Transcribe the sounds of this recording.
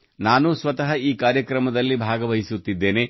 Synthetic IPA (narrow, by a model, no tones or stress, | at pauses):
naːnusʋɐt̪ɐɦɐiːkaːɾjɐkɾɐmɐd̪ɐlːibʱaːɡɐʋɐɦisut̪ːid̪ːe̞ːne̞